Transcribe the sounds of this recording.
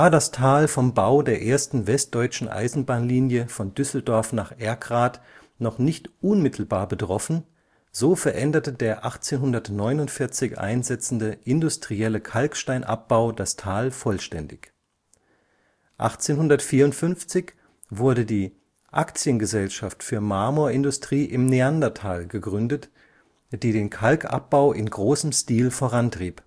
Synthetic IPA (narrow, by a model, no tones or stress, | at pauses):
vaːɐdastʰaːlfɔmbaʊdeːɐʔeːɐstn̩vɛst̚d̥ɔʏt͡ʃn̩ʔa̰ɪzn̩baːnliːnjəfɔndʏsl̩dɔɐfnaːχʔɛɐɡʁaːt | nɔχnɪçtʔʊnmɪtʰl̩baːɐbətʁ̥ɔfn̩ | z̥oːfɛɐʔɛndɐtədeːɐʔaχt͡seːnɦʊndɐtnɔʏnʊntfɪɐt͡sɪçʔa̰ɪnzɛt͡sn̩dəʔɪndʊstʁ̥iɛləkʰalkʃtaɪnʔa̰p̚b̥aʊdastʰaːlfɔlʃtɛndɪç | ʔa̰χt͡seːnhʊndɐtfiːɐʊntfʏnft͡sɪç | vʊɐdədiː | ʔa̰kt͡sjənɡəzɛlʃaftfyːɐmaːmoːɐɪndʊstʁ̥iːʔɪmneandɐtʰaːlɡəɡʁʏndət | d̥iːdeːnkʰalkʰʔa̰p̚b̥aʊʔɪnɡʁoːsəmstiːlfoːʁantʁ̥iːp